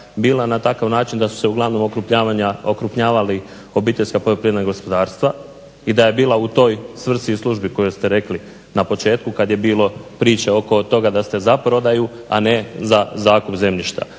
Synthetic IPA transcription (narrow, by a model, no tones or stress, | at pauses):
biːlˠanat̪akaʋnaːt͡ʃind̪asu̥se̞uɡlaʋno̞mokɾupɲaːʋaɲaokɾupɲaːʋali | o̞biːt̪e̞ʎʲskapojopɾied̪naɡo̞spo̞d̪aːɾst̪ʋa | id̪aje̞biːlˠaut̪o̞ːjsʋr̩sislˠuʒbiko̞jost̪e̞ɾe̞kli | napo̞t͡ʃe̞ːt̪kukad̪je̞biːlo̞pɾiːt͡ʃeo̞ko̞t̪o̞ɡad̪ast̪e̞zapɾo̞d̪aju | a̰ne̞zazaːkupze̞mʎiʃt̪a̰